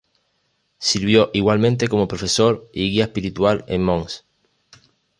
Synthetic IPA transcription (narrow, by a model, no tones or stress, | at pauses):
siɾβjo̞ʔiɣwalmẽnt̪eko̞mo̞pɾofesoɾiɣiaespiɾit̪walḛmːõŋs